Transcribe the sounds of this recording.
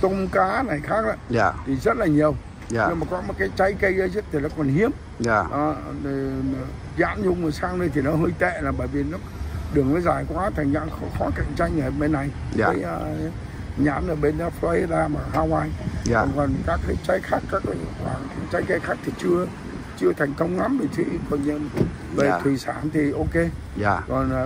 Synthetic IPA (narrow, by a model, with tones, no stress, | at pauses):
t̪ə˧wŋ͡mkaː˨˦na˨˩jxaː˦˥k̚ʔa˨˧˦t̪ʰi˨˩zə˦˥t̚laː˨˩ɲi˨˩əw | ɨ˧maː˨˩kɔ˨˦mo˨˩t̚kaː˨˦jt͡ɕa˨˦jkə˧jɗə˨˦zə˦˥t̪ʰi˨˩nɔ˨˦kɔ˨˩nhi˨˦əm˨ | nɔ˨˦ɗe˨˩˨ | za̰ː˧˥nzʊ˧wŋ͡mmə˨˩saː˧ŋɗə˧jt̪ʰi˨˩nɔ˨˦ɦəː˧jt̪ḛ˧˨laː˨˩ɓəː˧˨jvi˨˩nɔ˨˦ɗɨ˨˩əŋnɔ˨˦jzaː˨˩jkwaː˨˦t̪ʰa˨˩ŋ̟ɲa̰ː˧˨nxɔ˨˦xɔ˨˦ka˧˩˨jŋ̟t͡ɕa˧jŋʔəː˨˩ɓe˧nːa˨˩jkaː˨˦ʔəː˧ | ɲa̰ː˧˥˨nʔəː˧˩ɓe˧nʔfɔ˧˦ɗaː˧maː˨˩ɦaː˧waː˧jɔ˨˩nkɔ˨˩nkaː˦˥kːə˨˦t͡ɕa˨˦jxaː˦˥kːaː˦˥kːkwa̰ː˧˩ŋʰa˨˦t͡ɕa˨˦jke˧xaː˦˥k̚t̪ʰi˨˩t͡ɕɨ˧ə | t͡ɕɨ˧ət̪ʰɛ˨˩jŋ̟k̪ə˧wŋ͡mŋa˨˦mve˨˩t̪ʰwḭ˧˨kɔ˨˩nɲə˧˨n | ve˨˩˨t̪ʰwi˨˩saː˧˩nt̪ʰi˨˩ʔo˧ke˧ | kɔ˨˩n˨